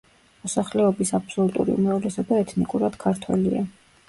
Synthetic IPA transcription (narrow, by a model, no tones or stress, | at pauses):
mɔsaχlɛɔbisapʰsɔlut̪ʼṵɾḭṵmɾavlɛsɔbaɛt̪ʰnikʼuɾad̪̥kʰaɾt̪ʰwɛ̰lia̰